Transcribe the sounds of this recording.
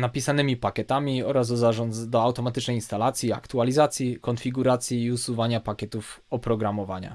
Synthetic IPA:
napʲisanɘmʲipakʲɛt̪amʲiɔɾazd̪ɔzaʐɔnd̪ɔawt̪ɔmat̪ɘt͡ʂnɛjinst̪alat̪sʲjia̰kt̪ualʲizat̪sʲjikɔnfʲiɡuɾat̪sʲjiːusuvaɲapakʲɛt̪ufɔpɾɔɡɾamɔva̰ɲa̰

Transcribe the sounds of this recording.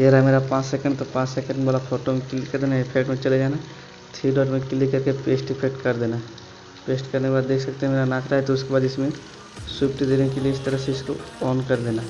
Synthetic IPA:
ɐəɾameːɾapãːt͡ʃsɛkə̃ɳɖt̪opãːt͡ʃsekə̃ɳɖmeboːlapʰoːʈomẽkɪlikɐɾd̪eːnaepʰekʈmẽt͡ʃɐled͡ʒaːna | t̪ʰiːɖɔːʈmẽkɪlikɐɾkepeːsʈɪfʰek̚ʈkɐɾd̪eːnaɦ | peːsʈkɐɾnekebaːd̪ːeːkʰsɐk̚t̪eɦɛmeːɾanaːkʰɾaɦɛt̪oʊskebaːd̪ɪsmẽ | suːpʈid̪eːnekelieɪst̪ɐɾəɦseɪskoɔːnkɐɾd̪eːnaː

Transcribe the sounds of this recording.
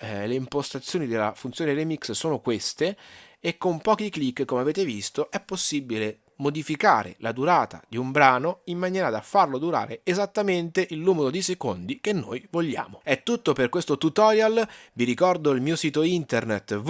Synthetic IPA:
leimpost̪at̪sːjoːnid̪elːa̰funt̪sjoːneɾemikssoːnokwest̪eːkːompɔːkiklikːkːomeaveːt̪evist̪oʔɛpːosːibːile | mod̪ifika̰ːɾḛlad̪uɾaːt̪a̰d̪iumbɾaːnoimːanjɛːɾad̪afːarlod̪uɾa̰ːɾeezat̪ːament̪eʔilːuːmeɾod̪isekond̪ik̟enːo̰jvoʎːa̰ːmoɛt̪ːut̪ːoperkwest̪ot̪ut̪ɔɾjalviɾikɔrd̪oilmiːosiːt̪oint̪ernet̪ː

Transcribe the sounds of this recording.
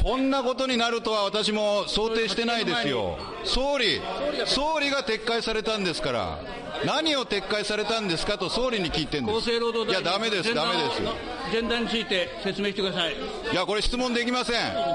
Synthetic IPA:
kʰõ̞nːako̞t̪o̞ɲ̟inaɾɯ̟t̪o̞aβ̞at̪aɕ̬imo̞so̞ːt̪e̞ːɕi̥t̪e̞naid̪e̞sɨjo̞̰ | so̞ːɾʲiso̞ːɾʲiɡat̪e̞kːaisaɾe̞t̪ãnd̪e̞sɨ̥kaɾa̰ | naɲ̟io̞t̪e̞kːaisaɾe̞t̪ãnd̪e̞sɨ̥kat̪o̞so̞ːɾʲiɲ̟ikʲiːt̪ẽ̞nd̪oseːɾoːd̪ojad̪ame̞d̪e̞sɨd̪ame̞d̪e̞sɨ̰ | zẽ̞nd̪ãɲːit͡sɨit̪e̞se̞t͡sɨme̞ːɕit̪ekɯd̪asai | jako̞ɾeɕi̥t͡sɨmõnd̪e̞kʲimasẽ̞ŋ

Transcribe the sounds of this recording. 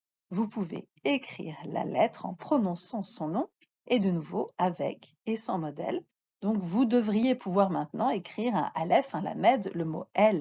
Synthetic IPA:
vupuvḛ | ekχḭʁla̰lɛt̪χɑ̰̃pχɔnɔ̃sɑ̃sɔ̃nɔ̃ | ed̪ənuvoavɛ̰k | esɑ̃mɔd̪ɛ̰l | d̪ɔ̃kvud̪əvʁijepʰuvwaʁmɛ̃t̪nɑ̃ekχiʁɛ̰̃ʔalɛfɛ̃la̰mɛd̪ləmo̰ɛl

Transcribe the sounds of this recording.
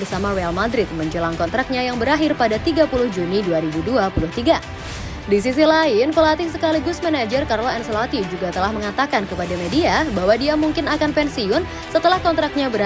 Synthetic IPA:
bərsamarealmadɾɪt̪̚məɲd͡ʒəlaŋkɔnt̪ɾak̚ɲajaŋbəɾaɦɪrpadat̪iɡapulʊhd͡ʒuniduaɾibuduapulʊht̪iɡa | dis̬is̬ilaɪnkolat̪isəkaliɡʊsmɛnad͡ʒərkaɾlaɛnslat̪id͡ʒuɡat̪əlahməŋat̪akankəpadamediabaɦwadiamuŋkɪnakanpɛnsiʊn | sət̪əlahkɔnt̪ɾak̚ɲabəɾ

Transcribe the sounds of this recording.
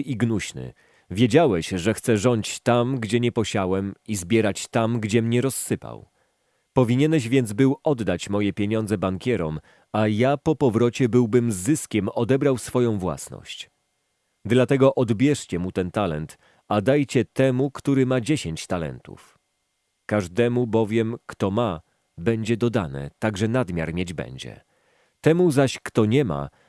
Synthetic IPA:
ʔiɡnuɕnɘ̰ | vʲjed͡ʑawɛɕʐɛxt̪sɛʐɔɲt͡ɕt̪amɡd͡ʑɛɲɛpɔɕawɛmizbʲjɛɾat͡ɕt̪amɡd͡ʑɛmɲɛɾɔsːɘpa̰w | pɔvʲiɲɛnɛɕ̬vʲjɛnd̪zbɘwɔd̪ːat͡ɕmɔjɛpʲjeɲɔnzɛbaŋkʲɛɾɔ̰m | ajapɔpɔvɾɔt͡ɕɛbɘwbɘmzːɘskʲɛmɔd̪ɛbɾawsfɔjɔ̃w̃vwa̰snɔ̰ɕt͡ɕ | d̪lat̪ɛɡɔʔɔd̪bʲjɛʂt͡ɕɛmut̪ɛnt̪alɛ̰nt̪ | ad̪ajt͡ɕɛt̪ɛmukt̪uɾɘmad͡ʑeɕeɲt͡ɕt̪alɛ̰nt̪ṵf | kaʐd̪ɛmubɔvʲjɛmkt̪ɔma | bɛɲd͡ʑɛd̪ɔd̪anɛ̰t̪aɡʐɛnad̪mʲja̰ɾmʲjed͡ʑbɛ̰ɲd͡ʑɛ̰ | t̪ɛmuzaɕkt̪ɔɲɛma̰

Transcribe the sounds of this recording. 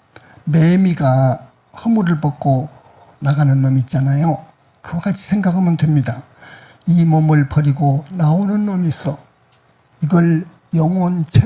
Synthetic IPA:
memiɡa | hʌmuɾɯɭpʌk͈̚o | naɡanɯnmʌmit̚t͡ɕ͈anajo | kɯwaɡat͡ɕʰi̥sʰeŋɡaɡɯɭmʌndwemɲida | imʌmɯɭpʰʌɾiɡonaonɯnmʌmis͈ʰʌ | iɡʌɭ | jʌŋʌnt͡ɕʰe

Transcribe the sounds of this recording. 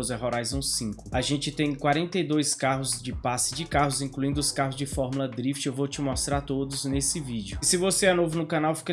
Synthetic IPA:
zɛɦɔɾajzõsĩkʊaʒẽnt͡ʃɪt̪ẽj̃kwaɾẽnt̪ejd̪ojskaɦʊzd͡ʒɪpasɪ̥d͡ʒɪkaɦʊzĩkluĩnd̪ʊʊskaɦʊzd͡ʒɪfɔɾmulɐd̪ɾift͡ʃewvowt͡ʃɪmɔst̪ɾaɾt̪od̪ʊznesɪvid͡ʒʊsɪvoseɛnovʊnʊkãnawfi̥kɐ

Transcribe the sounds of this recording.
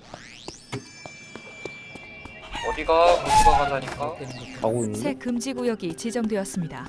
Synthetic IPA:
ʌdiɡamusʌɦad͡ʑaɲik͈a | sʰe̞kɯmd͡ʑiɡujʌɡit͡ɕid͡ʑʌŋdwe̞ʌs͈ɯmɲida

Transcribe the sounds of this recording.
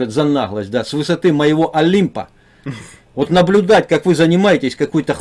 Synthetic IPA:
ɨt̪zɐnaɣlˠəsʲt̚ʲd̪asvɨsɐt̪ɨmɐjɪvo̞ʔɐlʲimpə̰ | vot̪nəblʲʊd̪atʲkakvɨzənʲɪmajɪtʲɪsʲkɐkojt̪əx

